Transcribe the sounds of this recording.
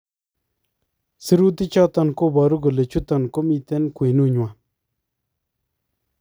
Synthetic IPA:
sə˥˨ɾu˥˨t̪i˥˨t͡ɕʰɑ˥˨t̪a˨ŋko˥˨ba˨ɾu˥˨kə˨le˨t͡ɕʰu˥˨t̪a˨ŋko˥˨mi˨t̪e˥˨nkwe˨nu˨ɲu˨wa˨

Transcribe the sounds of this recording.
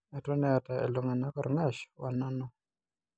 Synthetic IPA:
ɛ˨tɔ˦nɛ˦a˨ta˨ḛ˨lo˨ŋa˨na˦kɔ˦ɾŋa˦˨ʃwa˨na˦nɔ˦

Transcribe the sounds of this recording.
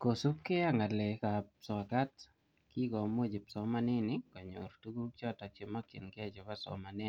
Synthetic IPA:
ko˨su˦p̚kɪ˦a˦ŋa˨lɛ˨ka˨psɔ˨ka˦t | ki˦kɔ˨mo˦d͡ʒi˨psɔ˦ma˦nɪ˦nɪ˦kɔ˨ɲo̰˨ɾtu˦ɡu˦t͡ʃɔ˦ta˨t͡ʃɪ˨ma˦t͡ʃɪ̰˨nkɛ˦˨t͡ʃɔ˨ba˦sɔ̰˨ma˨nɪ˦

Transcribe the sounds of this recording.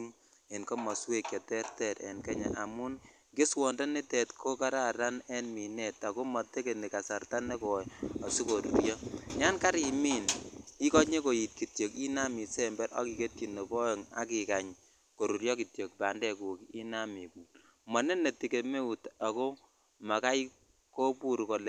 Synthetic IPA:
ŋ | e˨nko˦mɔ˨swe˦kjɔ˨tɛ˦rtɛ˨ɾḛ˨nkɛ˦ɲa̰˨ʔa˨mu˦n | kɪ˦swɔ˨nda˦ni˦tɛ˨tkʰo˦ka˦ɾa˦ɾa˦nɛ˦nmi˨ne˨ta˨ko˦mɔ˨te˦ke˨ni˨ka˨sa˨rta˦ne˦kɔ˨ɔ˨si˦ko˨ɾṵ˨ɾjɔ˦ɲa˦nka˦ɾi˨mi˦ni˦kɔ˦ɲe˦ko˨ji˨t̚ki˨tjo˨ki˦na˦mi˨sɛ˨mbɛ˦ɾɔ̰˦ki˨ke˦tji˨no˨kɔ˦ɔ˨ŋa̰˦ki˨ka˨ɲ | ko˨ɾu˨ɾjɔ˦ki˨tjo˨k̚ba˨ndɛ˦ku˨ki˦na˦mi˨bu˨ | mɔ˨ne˦ne˨ti˨ke˨me˦u˨ta˨kɔ˦ | ma˨ka˦j | ko˦pu˦ɾkɔ˨l

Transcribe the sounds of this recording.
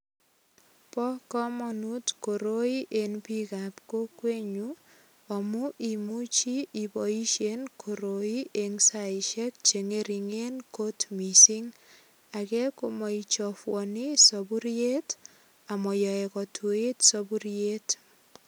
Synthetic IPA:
pɔ˦kɔ˦mɔ˨nu˦tko˨ɾo˦i˦ʔenpi˦kapko˦kwe˦ɲu | ɔ˨mu˦ʔi˨mu˦t͡ʃi˦ibɔ˨i˦ʃenkʰoɾoi˦ʔe˨ŋsaɪʃɛ˦k̚t͡ʃe˨ŋe˦ɾi˨ŋe˦nko˦tmi˨si˦ŋ | a˨kɛ˦ko˨mɔ˨i˨t͡ʃɔfwɔni˦sɔbu˦ɾie˦t | a˨mɔ˨jɔ˨ɛ˨kɔ˨tʰu˨e˦tsɔbu˦ɾie˦t

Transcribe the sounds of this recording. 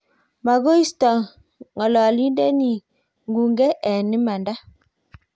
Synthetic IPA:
ma˨ɡo˦i˦stɔ˨ | ŋɔ˨lɔ˨a˨li˦ndɛ˦ni˨ | ŋɡu˨ŋɡɛ˦ʔɛ˨ni˦ma˨nda˦

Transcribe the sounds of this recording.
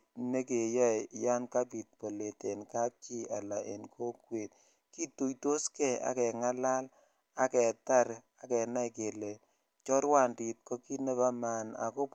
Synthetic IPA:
ne˦ke˨jɔ˦jja˦nka˦pi˨t̚po˨le˨te˨nka˦k̚t͡ʃi˦a̰˨la˨ʔḛ˨nkʰo˦kwe˨t̚ | ki˦tu˨jto˦skɛ˦a̰˨kɛ˨ŋa˦la˦l | a˨kɛ˨ta˦ɾ | a˨kɛ˨na˦jke˨le˨ | t͡ʃɔ˦ɾwa˦˨ndi˨t̚kɔ˦ki˦ne˦pa˦ma˨na̰˨ko˦p

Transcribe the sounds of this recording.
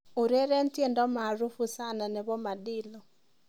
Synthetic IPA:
o˨ɾe˦ɾɛ˦ntje˦˨ndɔ˦ma˨ɾu˦fu˦sa˦na˨nɛ˨bɔ˦ma˨dɪ˦lɔ˨

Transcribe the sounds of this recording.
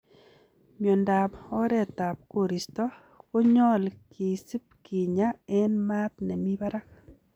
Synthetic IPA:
mjɔ˨nda˨pɔ˦ɾɛ˨t̪a˨p̚ko˨ɾi˨stɔ˦ | ko˦ɲɔ˦lkʰi˨si˦p̚ki˨ɲa˦ɛ˦nma˦t̪nɛ˨mi˦ba˦ɾa˦k

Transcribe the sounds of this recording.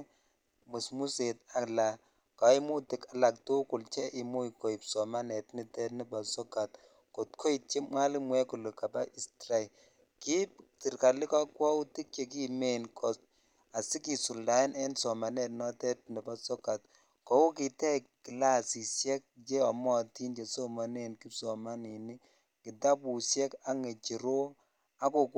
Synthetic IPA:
mu˨smu˦se˨t̚a˨kla˨ | ka˨˦i˦mu˦ti˨ka˨la˨k̚tu˦kʊ˨lt͡ʃɛ˦ʔi˨mu˦i˨ko˨i˨psɔ˨ma˦nɛ˨tni˨tɛ˦tnɪ˨ba˨sɔ˦ka˨t | ko˨t̚kʰo˦i˨t̚t͡ʃe˦mŋa˦lɪ˦mwɛ˦ku˨lʊ˨ka˨ba˦ʔi˨stɾa˦i˨ | ki˦pti˨rka˨lɪ˦ka˦kwɔ˦u˦ti˦k̚t͡ʃe˨ki˦me˦nkɔ˨ | a˨si˦ki˨su˨lda˨˦i˦nɛ˦nsɔ˨ma˨ne˦˨tnɔ˦tɛ˦t̚ni˨ba˦sɔ˦ka˨t̚ | kɔ˨˦u˦ki˨tɛ˦ki˨la˦˨si˨sjɛ˦k̚t͡ʃɛ˦ɔ˨mɔ˦˨ti˦nt͡ʃe˨so˦ma˨ne˨nki˦psɔ˨ma˦ni˨ni˦ | ki˨ta˦pu˨sjɛ˦ka˦ŋe˨t͡ʃi˨ɾo˦ | a˦ko˨k

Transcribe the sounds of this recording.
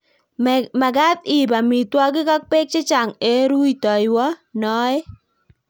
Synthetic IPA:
ma˨ɡa˦t̪ɪ˨ba˨mi˨t̪wɔ˦ɡɪ˦ka˦k̚pe˦k̚t͡ʃɪ˦t͡ʃa˨ŋe˨˦ɾu˦i˨tɔ˨jwɔ˦nɔ˦ɛ˦

